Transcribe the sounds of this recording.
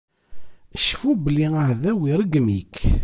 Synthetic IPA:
əʃfubəlːiəhðæwiɾˤəɡmik

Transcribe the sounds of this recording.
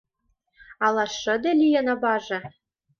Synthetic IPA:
ɑlˠɑʃɤ̆d̪ĕlʲijɤ̆nɑbɑʒɤ̆

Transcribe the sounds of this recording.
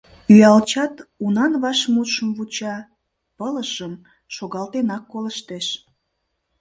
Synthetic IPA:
yjɑlt͡ɕɑt̪unɑnβɑʃmut̪ʃəmβut͡ɕɑ | pələʃəm | ʃoɣɑlt̪enɑkːoləʃt̪eʃ

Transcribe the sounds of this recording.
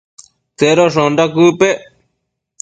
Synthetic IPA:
seɾoʂõnɖakupe

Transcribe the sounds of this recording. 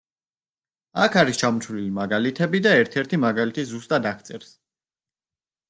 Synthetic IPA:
akʰaɾist͡ʃʰamɔt͡ʃ̪ʰlilimaɡalit̪ʰɛbid̪aɛɾt̪ʰɛɾt̪ʰimaɡalit̪ʰiszust̪ʼad̪akʰt̪sʼɛɾs

